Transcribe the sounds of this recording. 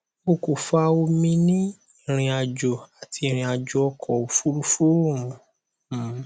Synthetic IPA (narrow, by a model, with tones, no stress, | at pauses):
o˧ko˨fa˧˦o˧mĩ˧nĩ˦ | i˦˨ɾ̃ĩ˧a˧d͡ʒo˨a˨tʰi˧˨ɾ̃ĩ˧a˨d͡ʒo˧ɔ˧kʰɔ˨o˨fu˦ɾu˦fu˦ɾo˦˨mɔ̃˨˦